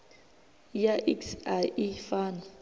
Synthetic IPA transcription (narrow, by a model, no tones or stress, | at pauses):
jaʔiksaifaːna